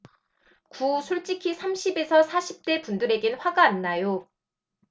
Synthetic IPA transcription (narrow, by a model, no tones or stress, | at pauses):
kusʰoɭt͡ɕ͈ikʰisʰamɕʰibe̞sʰʌsʰaɕʰip̚t͈e̞pundɯɾe̞ɡenɸwaɡaːnːajo